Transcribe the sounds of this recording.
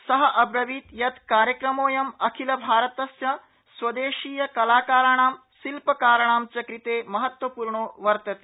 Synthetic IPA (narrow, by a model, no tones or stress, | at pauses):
sɐɦɐʔɐbɾɐʋiːt̪jɐt̪kaːɾjɐkɾɐmoːjɐmɐkʰilɐbʱaːɾɐt̪ɐsjɐ | sʋɐd̪eːʃiːjɐkɐlaːkaːɾɐɳ̃aːm | silpɐkaːɾɐɳ̃aːmt͡ʃɐkɾit̪eːmɐɦɐt̪wʋɐpuːɾɳoːʋɐɾt̪ɐt̪e̥ː